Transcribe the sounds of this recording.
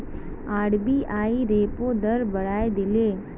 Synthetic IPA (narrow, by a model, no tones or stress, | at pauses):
aːɽbiʔaːiɾeːpod̪ɐɾbɐɽaːed̪ɪleː